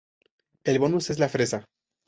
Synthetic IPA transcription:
e̞lβo̞nuse̞zlafɾe̞sa

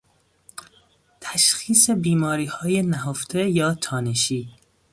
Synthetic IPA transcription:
t̪ʰæʃxiːsebiːmɒːɾiːhɒːjenæɦoft̪ʰejɒːt̪ʰɒːneʃiː

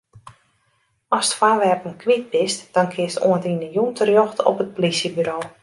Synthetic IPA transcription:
ɔstfaːʋɛrpənkʰʋit̚bɪstd̥ɔnkʰɪəstṵəntinəjuntərjɔxtɔ̰pət̚polisjəbyɾoː

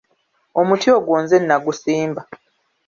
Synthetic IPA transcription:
o̞mutʰioɡwoːnze̞nːaɡusiːmba

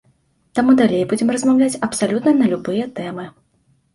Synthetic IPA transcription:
t̪amud̪alʲejbud͡zʲɛmrɐzmawlʲat͡sʲɐpsalʲut̪nɐnɐlʲubɨjɛt̪ɛmɨ

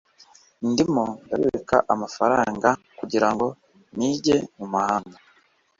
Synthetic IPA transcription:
ndimonda̰βiɾekaʔamafaɾaːŋɡa | kuɟiɾaŋɡo̞ | niːɟe̞mumuhaːŋɡa

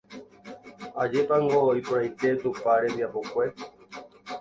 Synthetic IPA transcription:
ad͡ʒepaŋɡoipoɾajt̪et̪upaɾẽmbiapokʷe

